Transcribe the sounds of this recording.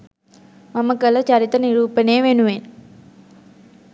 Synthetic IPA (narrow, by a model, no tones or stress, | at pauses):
mɐmːɐkːɐlɐt͡ʃɐɾit̪ːɐniɾuːpːɐneːʋeːnuʋeːn